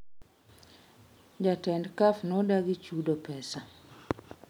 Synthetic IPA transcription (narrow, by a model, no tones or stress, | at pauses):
d͡ʒatɛndkafnɔdaɡit͡ʃudɔpɛsa